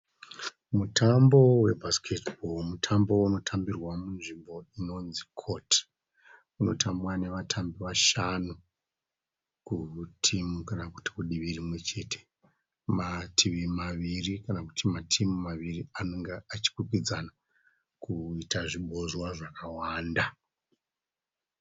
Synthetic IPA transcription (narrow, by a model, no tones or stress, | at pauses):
mutʰambo̞we̞bʱaskʰetbʱolmutʰambo̞uno̞tʰambirwamunʐimbo̞ino̞nzikʰo̞tʰ | uno̞tʰambwane̞ʋatʰambiʋaʃanu | kutʰimukanaku̥ti̥kuɗiʋirimwe̞t͡ʃe̞tʰe̥ | matʰiʋimaʋirikanaku̥tʰimatʰimumaʋirianoŋɡeat͡ʃi̥kukid͡zana | kuitaʐiɓo̞zwaʐakawaːnda